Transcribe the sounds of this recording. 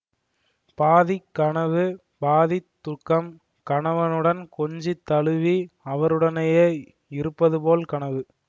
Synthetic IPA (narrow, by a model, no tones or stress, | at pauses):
paːðikːɐɳɐʋɯ | baːðɪt̪ːʊkːɐm | kɐɳɐʋɐnɯɽɐnkɔɲd͡ʒit̪ːɐɭɯʋiɐʋɐɾɯɽɐnɐjeː | ɪɾɯpːɐðɯpoːlkɐɳɐʋɯ